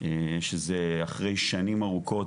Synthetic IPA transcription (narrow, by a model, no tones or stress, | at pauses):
eʃezeaχʁe̞jʃanimaʁukʰo̞